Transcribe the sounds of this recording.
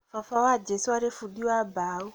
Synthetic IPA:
fafawad͡ʒesuwaɾefudiwabaːɣu

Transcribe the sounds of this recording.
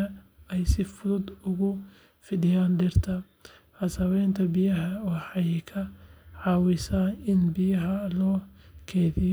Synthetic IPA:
ɐɛjsɪfʊðʊd̪ʊɣʊ | fɪɖɪjaːnɖ̪ɪrt̪ʰɐ | ħɐsɐwɛjnt̪ʰɐbɪjɐɦɐwɑħɑjkʰɐʕɑːwɪsaːnɪnbɪjɐɦɐlɔːkʰɛːðɪj

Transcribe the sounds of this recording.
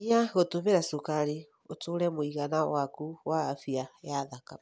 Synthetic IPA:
aɣotomeɾasokaɾe | otoɾɛmoiɣanawakuwaːfiajaðaka

